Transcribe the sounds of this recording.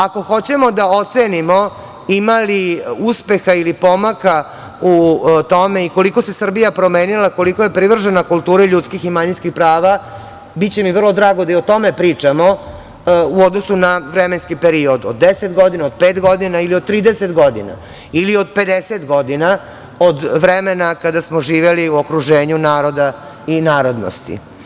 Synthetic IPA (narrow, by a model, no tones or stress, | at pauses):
ako̞xo̞t͡ɕe̞mo̞d̪aot̪senimo̞ | imaliuspe̞xailipo̞maka | ut̪o̞me̞iko̞liko̞se̞sr̩bijapɾo̞me̞ːnilako̞likoje̞pɾiʋr̩ʒenakulˠt̪uːɾeʎut̪skiximaɲinskixpɾaːʋa | bit̪t͡ɕe̞miʋr̩lˠod̪ɾaːɡod̪aiot̪o̞me̞pɾiːt͡ʂamo̞ | uod̪nosunaʋɾemenskipeɾio̞d̪od̪ːeset̪ɡo̞d̪inaod̪̚peːt̪ɡo̞d̪inailiod̪̚t̪ɾiːd̪eset̪ɡo̞d̪ḭna̰ | ilio̞d̪̚pe̞d̪eset̪ɡo̞d̪ina | od̪ʋɾemenakad̪asmoʒiːʋeliuokɾuʒeːɲunaːɾo̞d̪a | inaːɾo̞d̪no̰st̪ḭ